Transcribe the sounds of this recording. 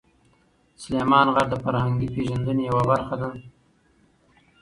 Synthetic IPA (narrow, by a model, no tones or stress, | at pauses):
sʊlemɑnɣaɖd̪əfaɾhaŋɡipeʒand̪ənejawabaɾxad̪a